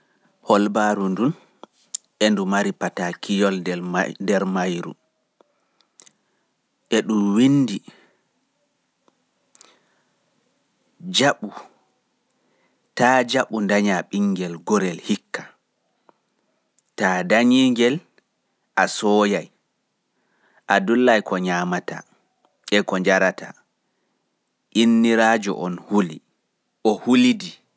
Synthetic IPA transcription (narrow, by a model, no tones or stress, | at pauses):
hɔlbaɾundun | ʔɛndumaɾipatakʰijɔldɛɾmajɾṵ | ʔɛɗumwinːdi | d͡ʒaɓu | tad͡ʒaɓundaɲaɓiŋːɡɛlɡɔɾɛlhikːḁ | tadaɲiŋɡɛl | ʔasɔːjaj | ʔadulːajkʰɔɲaːmata̰ | ɛkɔɲd͡ʒaɾata | ʔinːiɾaːd͡ʒɔ̰ʔɔnhuli | ʔɔhulidi